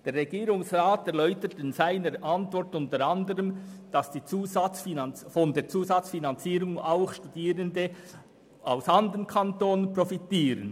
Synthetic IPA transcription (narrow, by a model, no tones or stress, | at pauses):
d̥eːrʁeɡ̥iːɾʊŋsʁaːtɛɾlɔʏtətɪnzaɪnəɾʔɑntvɔɾtʊntəɾɑndəɾəmd̥ɑsd̥iːt͡suːzɑt͡sfinɑnfɔndeːɾt͡suːzɑt͡sfinɑnt͡siːɾʊŋaʊxʃtud̥iːɾəndə | ʔaʊsɑndəʁənkʰantoːnənprɔfitiːɾən